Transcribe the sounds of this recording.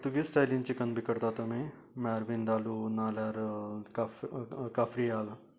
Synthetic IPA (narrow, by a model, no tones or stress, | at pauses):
t̪uɡisʈaːlint͡ʃikənbʱikəɾt̪aːt̪ɐmẽ | mɛːɾbind̪aːlunaːlɐɾk | kaːfɾijaːl